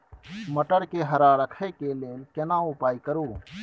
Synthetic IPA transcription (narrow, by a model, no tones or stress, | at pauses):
mɐʈəɾkeːɦɐɾaːɾɐkʰekeːleːlkenãːupaːikɐɾuː